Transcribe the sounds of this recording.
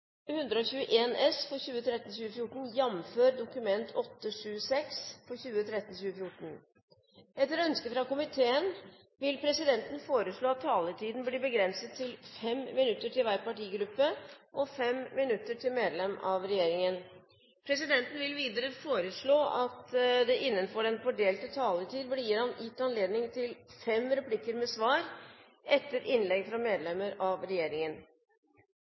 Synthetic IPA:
hʉnd̪ɾəɔçʉːəʔeːnʔɛsfɔçʉːət̪ʰɾɛt̪ːn̩ɕʉːəfjʊʈɳ̩jɑmføːɾd̪ʊkʉmɛnt̪ʰɔt̪ːəʂʉːəsɛksfɔçʉːət̪ʰɾɛt̪ːn̩ɕʉːəfjʊʈːɳ̩ | ɛt̪ːəɾɔœnskəfɾɑkʊmɪt̪ʰeːən | ʋɪlpʰɾɛsɪd̪ɛnt̪ən̩foːɾəʂɭoːɑt̪ʰːɑːləʈʰiːd̪n̩blɪbəɡɾɛnsət̪ʰːɪlfɛmːɪnʉt̪ːəʈʰɪlʋæɾpɑʈiːɡɾʉpːəʔɔfɛmmɪnʉt̪ːəʈʰɪlmeːd̪lɛmɑʋɾɛjeːɾɪŋən | pʰɾɛsɪd̪ɛnt̪ən̩ʋɪlʋiːd̪əɾəfoːɾəʂɭoːʔɑt̪d̪ɛʔɪnːənfɔɖɛnfɔɖeːlt̪ət̪ʰɑːləʈ̪ʰiːd̪blijɪɾɑnjɪt̪ːɑnleːd̪nɪŋt̪ʰɪlfɛmɾɛpʰlɪkəɾmɛsʋɑːɾ | ʔɛt̪ːəɾʔɪnlɛɡfɾɑmeːd̪lɛmːəɾɑʋɾɛjeːɾɪŋən

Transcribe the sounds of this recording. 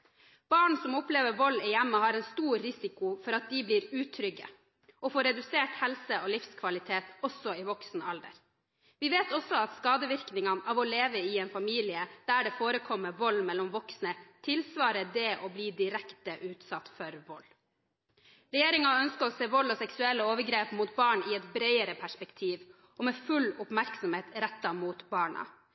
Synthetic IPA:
b̥ɑːɳsɔmʊpleːʋəɾʋɔlːɪjɛmːəhɑːɾɛnst̪uːɾːɪsɪkʊfɔɾɑt̪̚d̪ɪbliːɾʉːt̪ʰɾʏɡə̰ | ʔɔfoːɾɛd̪ʉseːʈhɛlsəolɪfskʰʋɑlɪt̪ʰeːt̪ɔsɔɪʋɔksnəɑld̪ə̰ɾ | ʋɪʋeːt̪ɔsɔɑt̪skɑːd̪əʋɪɾknɪŋɑnɑːʋɔleːʋəɪɛːnfɑmiːlɪəd̪̥æːɖɛfoːɾəkʰɔmːəʋɔlːmɛlːɔmʋɔksnət̪ʰɪlsʋɑːɾəd̪ɛʔɔbliːd̪ɪɾɛkt̪əʔʉːt̪sɑt̪ːfɔɾʋɔlː | ɾɛjeːɾɪŋɑœnskəɔseːʋɔlːɔsɛksʉɛlːəoːʋəɾɡɾeːpmuːt̪bɑːɳɪɛt̪bɾœɪəɾəpʰæʂpɛkt̪ʰiːʋ | ʔɔmɛfʉlʊpmæɾksɔmheːt̪ɾɛt̪ːɑmuːt̪bɑːɳɑ̰

